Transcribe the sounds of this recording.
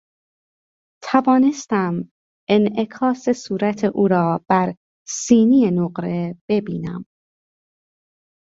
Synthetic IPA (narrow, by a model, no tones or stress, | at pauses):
t̪ʰævɒːne̞st̪æm | e̞ne̞kʰɒːsesuːɾæt̪ʰeʔuːɾɒːb̥æɾ | siːnijenoɢɾe̞b̥e̞biːnæ̰m